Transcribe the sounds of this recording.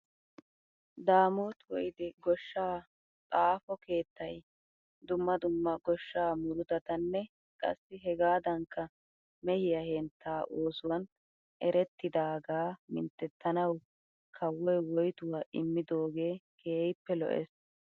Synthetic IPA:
d̪aːmoːt̪wɔjɪd̪ɪɡɔʃːaː | t̪ʼaːfɔke̞ːt̪ːɐj | d̪ʊmːɐd̪ʊmːɐɡɔʃːaːmʊɾʊt̪ɐt̪ɐnːɛ | kʼɐ̰sːɪɦɛɡaːd̪ɐŋkːɐ | mɛhɪjɐhɛnt̪ʰːaːʔo̞ːsʊwɐn | ʔɛɾɛt̪ːɪd̪aːɡaːmɪ̰nt̪ːɛt̪ːɐnɐw | kʰɐwːɔjwɔjt̪ʊwaːʔɪmːɪd̪o̞ːɡe̞ːkʰeːjɪpːɛlɔ̰ʔɛ̰s

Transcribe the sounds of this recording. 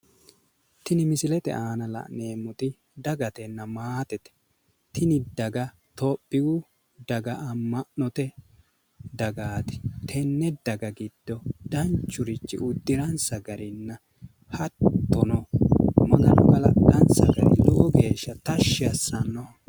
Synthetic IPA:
t̪ɪnɪmɪsɪlɛt̪ɛ̰ʔaːnɐlɐ̰ʔneːmːʊt̪ɪ | d̪ɐɡɐt̪ɛnːɐmaːt̪ɛt̪ɛ̥ | t̪ɪnɪd̪ɐɡɐ | t̪ɔpʼːɪɡʊ | d̪ɐɡɐʔɐmːɐʔnɔt̪ɛ | d̪ɐɡaːt̪ɪ̥t̪ʰɛnːɛd̪ɐɡɐɡɪd̪̥ːɔd̪̥ɐnt͡ʃːʊɾɪt͡ʃːɪ̰ʔʊd̪ːɪɾɐnsɐɡɐɾɪnːɐ | hɐt̪ːɔnɔmɐɡɐnɔ̰ɡɐlɐ̰d̪ːɐnsɐ̰ɡɐ̰ɾɪ̰loɡeːʃːɐt̪ɐʃːɪɐsːɐnːɔ

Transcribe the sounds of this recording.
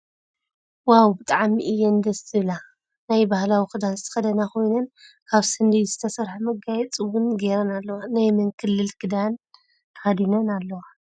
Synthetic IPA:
wawbɨt̪ʼaʕmiʔɨjːɛnd̪ɐsɨβla | najbahlawikɨd̪anzɨt̪ʰɨ̥xɐd̪ɐnakʰo̞jnɐn | kʰaβsɨnd̪ijzɨt̪ʰɐsɐɾħamɐɡajɛt͡sʼɨwunɡeɾɐnalːɐwanajmɨŋkʰɨlːɨlkʰɨd̪an | t̪ʰɐhad̪inɐnalːɐwa

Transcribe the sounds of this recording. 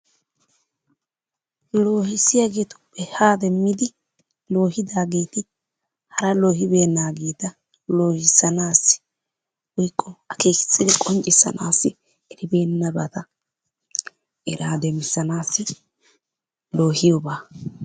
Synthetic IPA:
lo̞ːhɪsɪjaːɡe̞ːt̪ʊ̥pːɛhaːd̪ɛmːɪd̪ɪ | lo̞ːhɪd̪aːɡe̞ːt̪ɪ | hɐɾɐlo̞ːhɪbe̞ːnːaːɡe̞ːt̪ɐ | lo̞ːhɪsːɐnaːsːɪ̥ | wɔjkʼːɔɐkeːkɪ̥sːɪd̪ɛkʼɔnt͡ʃʼɪsːɐ̰naːsːɪ | ɛɾɪbe̞ːnːɐbat̪ɐ | ʔɛɾaːd̪ɛmɪsːɐnaːsːɪ | lo̞ːhɪjobaː

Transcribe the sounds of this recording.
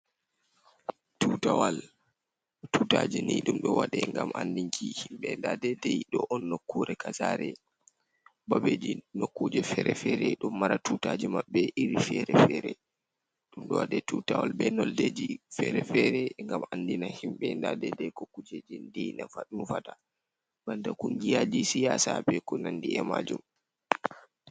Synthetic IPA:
tutawal | tutad͡ʒiniɗumɗɔwaɗɛŋɡamandiŋkʰihimɓɛndadɛdɛjɗɔʔɔnːokːuɾɛkʰazaːɾɛ | babed͡ʒinokːud͡ʒɛfɛɾɛfɛɾɛɗumːaɾatutad͡ʒimaɓːɛʔiɾifɛɾɛfɛɾɛ | ɗumɗɔwadɛtutawɔlbɛnɔlded͡ʒifɛɾɛfɛɾɛŋɡamandinahimɓɛndadɛdɛjkokːud͡ʒed͡ʒindinafaɗumfata | bantakuŋɡijad͡ʒisijasabɛkunandiɛmad͡ʒum

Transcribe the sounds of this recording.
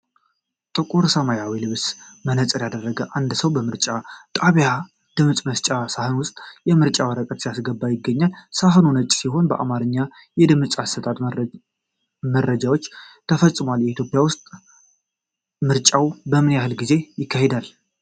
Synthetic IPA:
t̪ʼɨkʼuɾsəmajawilɨβsmənət͡sʼɨɾjad̪ərːəɡəʔand̪səwbəmɨɾt͡ʃʼat̪ʼaβja | d̪̥ɨmɨt͡sʼməst͡ʃʼasahɨnwʊst̪ʼjɛmɨɾt͡ʃʼawəɾəkʼət̪sijasɡəbːajɪɡːəɲːalsaɦɨnunət͡ʃʼsiɦo̞nbəʔa̰maɾɨɲːa | jɛd̪ɨmt͡sʼasət̪ʰat̪ | məɾəd͡ʒawo̞t͡ʃːt̪ʰəfəsʼmwaljɛit̪ʰjo̞pʼijawʊst̪ʼ | mɨɾt͡ʃʼawbəmɨnjahɨlɡize̞jɪkʰːahe̞d̪al

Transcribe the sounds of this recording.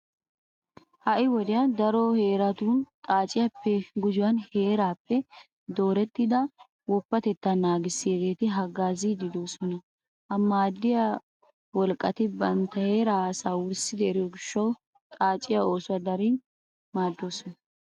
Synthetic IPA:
hɐʔɪwɔd̪ɪjɐd̪ɐɾɔhe̞ːɾɐt̪uːnt̪ʼaːt͡ʃʼɪjapːɛɡʊd͡ʒʊwɐnhe̞ːɾaːpːɛ | d̪o̞ːɾɛt̪ːɪd̪ɐ | wɔpːɐt̪ɛt̪ːanaːɡɪsːɪeːɡe̞ːt̪ɪɦɐɡaːzid̪ɪd̪o̞ːsɔnɐ | hɐmaːd̪ːɪja | wɔlkʼːɐt̪ɪbɐnt̪ɐhe̞ːɾaːsaːwʊɾsɪd̪ɛɛɾɪjɔɡɪʃːɐw | t̪ʼaːt͡ʃʼːɪjao̞ːsʊwɐd̪ɐɾiːn | maːd̪ːo̞ːsɔnɐ

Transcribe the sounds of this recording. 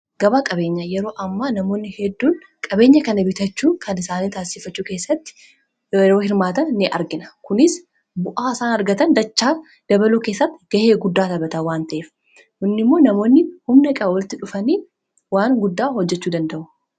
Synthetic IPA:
ɡ̥ɐbaːkʼɐbe̞ːɲːɐjɛɾo̞ːʔɐmːaːnɐmo̞ːnːɪhɛd̪ːuːn | kʼɐbe̞ːɲːɐkɐnɐbɪt̪ɐt͡ʃːuːkʰɐnɪsaːniːt̪aːsɪfɐt͡ʃːuːke̞ːsːɐt̪ːɪ̥ | ɛɾoːhɪɾmaːt̪ɐnːɪʔɐ̰ɾɡɪnɐ̥kʊnɪs | bʊʔaːɪsaːnɐɾɡɐt̪ɐnd̪ɐt͡ʃːaː | d̪̥ɐbɐluːkeːsːɐt̪ːɪɡ̥ɐheːɡʊd̪ːaːt̪ɐbɐt̪ɐwaːnt̪ɐʔeːf | hʊnːɪmːo̞ːnɐmo̞ːnːɪhʊmnɐkʼɐɐwɐlɪt̪ɪᶑʊfɐniː | waːŋɡʊd̪ːaːhɔd͡ʒːɛt͡ʃːuːd̪ɐnd̪ɐʔʊ

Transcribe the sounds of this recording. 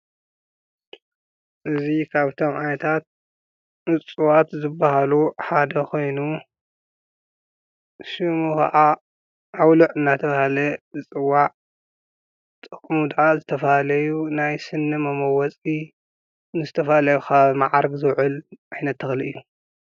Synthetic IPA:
ʔɨzikʰaβt̪ʰo̞mʕanɐt̪ʰat̪̚ | ɨt͡sʼuwat̪zɨbːahaluħad̪ɐkʰo̞jnu | ʃɨmuka̰ʔa | ʔawluʕɨnːat̪ʰɐβahalɐɨt͡sʼɨwːaʕ | t̪ʼɨ̥kʼmud̪ʕazɨt̪ʰɐfaalɐjunajsɨnːɨmɐmɐwɐt͡sʼi | nɨzɨt̪ʰɐfalɐjukʰaβmaʕaɾɡzɨwʕɨlʔajnɐt̪ʰːɨxliʔɨjːu

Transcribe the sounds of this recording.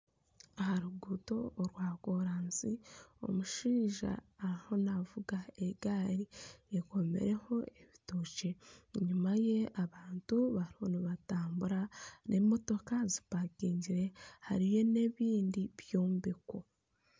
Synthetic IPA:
ahaɾuɡuto̞ɾwaːko̞ɾaːnsio̰muʃiːʒa̰ːɾiho̞navuɡaeɡaːɾieko̞me̞̰ɾe̞ho̞e̞βitoce̞ɲumaje̞aβaːntuβaɾiho̞niβataːmbuɾanʔemo̞to̞kazi̥pakiːɲɟiɾe̞ha̰ɾijo̞ne̞βiːndiβjo̞ːmbeko

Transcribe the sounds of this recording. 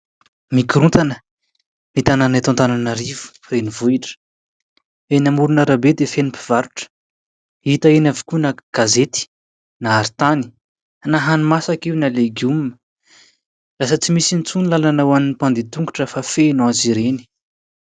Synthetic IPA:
mikiɾunt̪anə | mit̪ananat̪ãnt̪ananaɾivu̥ | renivuiʈ͡ʂə̥ | enʲamuɾunaɾabed̪efenipiv̥aɾu̥ʈ͡ʂə̥ | it̪aenʲavikunaɡ̥azet̪i̥ | naːɾt̪ani̥ | anaɦanimasakiwnaleɡumə | rasət͡simisinit͡sunilalanawaminipand̪it̪uŋɡuʈ͡ʂəfafenãziɾeni̥

